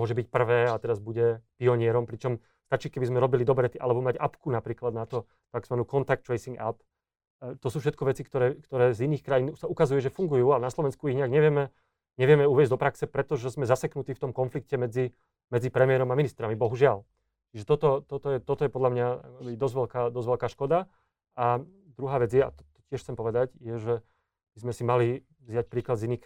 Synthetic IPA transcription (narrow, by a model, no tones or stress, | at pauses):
mʊɔʒɛbic̚pr̩ʋɛːat̪ɛɾazbuɟɛpiɔɲɪɛɾɔmpɾit͡ʃɔm | st̪at͡ʃiːkɛbizmɛɾɔbilid̪ɔbɾɛt̪iʔa̰lɛbɔmaɟapkunapɾiːklad̪nat̪ɔ | t̪aɡzmanuːkɔnt̪ak̚t̪ɾɛjsiŋɡa̰p | t̪ɔsuːfʃɛt̪̚kɔʋɛt͡sikt̪ɔɾɛːkt̪ɔɾɛːziniːxkɾajiːnsaukazujɛʒɛfuŋɡujuːalɛnaslɔʋɛnskuiɣɲɛaɡɲɛʋɪɛmɛ | ɲɛʋɪɛmɛuʋjɛzd̪ɔpɾaksɛpɾɛt̪ɔʒɛzmɛzasɛknut̪iːft̪ɔmkɔnflik̚cɛmɛd͡zi | mɛd͡zipɾɛmɪɛɾɔmaminist̪ɾamibɔɦuʒɪal | t͡ʃiʒɛt̪ɔt̪ɔt̪ɔt̪ɔjɛt̪ɔt̪ɔjɛpɔd̪lamɲaakbid̪ɔzʋɛlkaːd̪ɔzʋɛlkaːʃkɔd̪a | a | d̪ɾuɦaːʋɛd͡zjɛa̰t̪ɔt̪ɔ̥cɪɛʃxt͡sɛmpɔʋɛd̪aɟjɛʒɛ | b̥izmɛsimali | vzjac̚pɾiːklad̪ziniːxk